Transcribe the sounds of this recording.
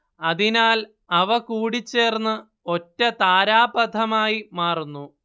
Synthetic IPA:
ɐðinaːl | ɐʋɐkuːɽit͡ɕːe̞ːrnːɨ | o̞tːɐt̪aːɾaːbɐd̪ʱɐmaːjimaːrunːu

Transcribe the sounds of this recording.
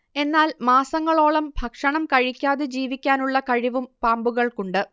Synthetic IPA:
e̞nːaːlmaːsɐŋːɐɭo̞ːɭɐmbʱɐkʂɐɳɐmkɐɻikʲːaːðed͡ʑiːʋikʲːaːnuɭːɐkɐɻiʋumpaːmbuɣɐɭkuɳɖɨ

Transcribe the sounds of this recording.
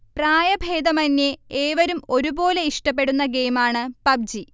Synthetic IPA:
praːjɐbʱe̞ːd̪ɐmɐnːeeːʋɐɾumo̞ɾubo̞ːle̞iʂʈɐp̬ːe̞ɽunːɐɡe̞ːmaːɳɨpɐb̚d͡ʑi

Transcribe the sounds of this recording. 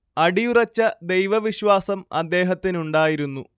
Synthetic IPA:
ɐɽijurɐt͡ɕːɐd̪e̞jʋɐʋiɕwaːsɐmɐ̰d̪ːe̞ːɦɐt̪ːinuɳɖaːjiɾunːu

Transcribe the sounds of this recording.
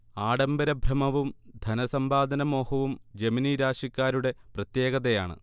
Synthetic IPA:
aːɽɐmbɐɾɐbʱrɐmɐʋumd̪ʱɐnɐsɐmbaːd̪ʱɐnɐmo̞ːhɐʋumd͡ʑeminiɾaːɕɐkʲːaːɾuɽe̞prɐt̪je̞ːɣɐðɐjaːɳɨ̰

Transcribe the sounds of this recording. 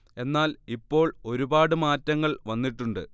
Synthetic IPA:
e̞nːaːlipːo̞ːɭo̞ɾubaːɽɨmaːtːɐŋːɐɭʋɐnːiʈːuɳɖɨ

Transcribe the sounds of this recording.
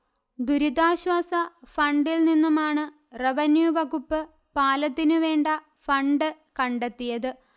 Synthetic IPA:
d̪uɾid̪aːɕwaːsɐfɐɳɖilninːumaːɳɨ | reʋɐnjuʋɐɣupːɨ | paːlɐt̪ːinɨʋe̞ːɳɖɐ | fɐɳɖɨ | kɐɳɖe̞t̪ːijɐðɨ

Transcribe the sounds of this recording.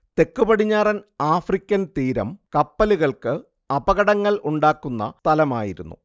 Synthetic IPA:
t̪e̞kːubɐɽiɲːaːrɐnaːfrikʲːɐnt̪iːɾɐ̰mkɐpːɐluɣɐɭkɨ | ɐbɐɣɐɽɐŋːɐɭuɳɖaːkːunːɐ̰t̪ɐlɐma̰ːjiɾunːṵ

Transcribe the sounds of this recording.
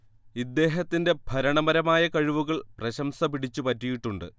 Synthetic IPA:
id̪ːe̞ːɦɐt̪ːinde̞bʱɐɾɐɳɐmɐɾɐmaːjɐkɐɻiʋuɣɐɭprɐɕɐmsɐpiɽit͡ɕːupɐtːijiʈːuɳɖɨ̰

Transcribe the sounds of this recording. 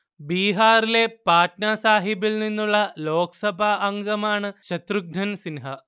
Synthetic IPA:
biːɦaːɾile̞paːʈnaːsaːɦibilninːuɭːɐloːksɐbʱɐːŋɡɐmaːɳɨʃɐt̪ɾuɡ̚ɳɐnsinɦɐ

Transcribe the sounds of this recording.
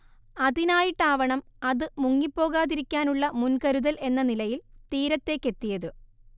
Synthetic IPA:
ɐðinaːjiʈːaːʋɐɳɐmɐðɨmuŋːipːo̞ːɣaːðiɾikʲːaːnuɭːɐmunkɐɾuðɐlʔe̞nːɐnilɐjilt̪iːɾɐt̪ːe̞ːkːe̞t̪ːijɐðɨ

